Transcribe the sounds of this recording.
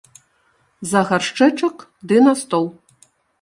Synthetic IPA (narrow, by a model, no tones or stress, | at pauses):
zɐɣarʂt͡ʂɛt͡ʂɐkd̪ɨnast̪ɔlˠ